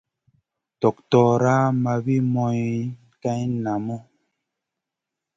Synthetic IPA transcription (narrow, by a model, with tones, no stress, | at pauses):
tɔ˨k̚tɔː˨ɾaː˦ma˨bi˦mɔ˦j | ta˦ɲna˨mɔ˦